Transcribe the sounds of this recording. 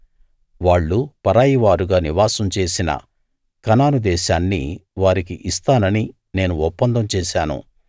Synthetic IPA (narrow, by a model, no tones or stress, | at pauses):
ʋaːɭːupɐɾaːjiʋaːɾuɡaːniʋaːsɐmt͡ʃe̞ːsinɐ̰ | kɐnaːnud̪ɛːʃaːnːiʋaːɾikiʔist̪aːnɐni | ne̞ːnuɔpːɐnd̪ɐmt͡ʃɛːʃaːnṵ